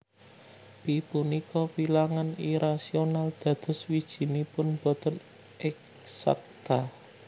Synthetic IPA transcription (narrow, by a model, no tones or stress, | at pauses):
b̥ipunikɔwilaŋaniɾasionald̪̥ä̤d̪̥ɔ̤swid̥ʒ̥i̤nipʊnb̥ɔ̤t̪ən | ɪk̚ | sa̰k̚t̪a